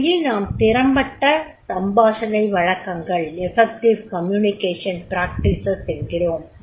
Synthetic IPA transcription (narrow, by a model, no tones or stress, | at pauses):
jinaːmt̪ɪɾɐmbɐʈːɐt̪ɐmbaːsɐlɐɪʋɐɻɐkːɐŋɡɐɭɛfɛk̚ʈɪʋkɐmjuːnɪkeːʂɐnpɾaːk̚ʈɪsɐsɛnɡɪroːm